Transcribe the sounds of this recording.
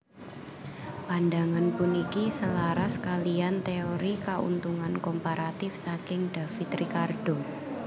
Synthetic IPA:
pandaŋanpʊnikisəlaɾaskaliant̪eoɾikaṵnt̪uŋankɔmpaɾat̪ɪfsakɪŋd̥afit̪ɾikard̥o

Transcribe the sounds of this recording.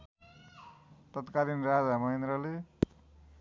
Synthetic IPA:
t̪ʌt̪kalinrad͡zamʌɦend̪ɾʌle

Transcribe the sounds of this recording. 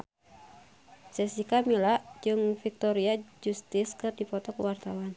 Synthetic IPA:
sɛsikamilaʔd͡ʒɨŋfik̚t̪ɔɾiad͡ʒust̪ɪskɨrdipɔt̪ɔkəwart̪awan

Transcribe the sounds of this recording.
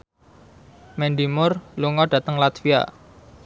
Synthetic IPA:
mɛndimʊrluŋɔɖ̥ä̤t̪əŋlat̪fia̰

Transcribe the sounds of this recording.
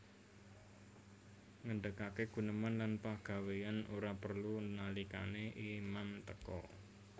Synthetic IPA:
ŋəɳɖəkakeɡ̥ṳnəmanlanpaɡ̥a̤wejanuɾapərlunalika̰neʔimamt̪əkɔ̰

